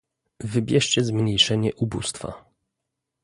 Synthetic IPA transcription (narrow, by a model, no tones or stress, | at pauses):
vɘbʲjɛʂt͡ɕɛzmɲejʂɛɲɛʔubṵst̪fa̰